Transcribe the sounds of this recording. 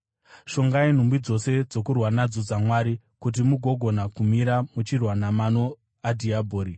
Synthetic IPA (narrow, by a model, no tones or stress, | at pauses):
ʃo̞ŋɡain̤umbid͡zo̞se̞d͡zo̞kurwanad͡zod͡zamwaːɾi | kut̬imuɡʱo̞ɡʱo̞nakumiɾamut͡ʃirwanamano | adʱiabʱoːɾi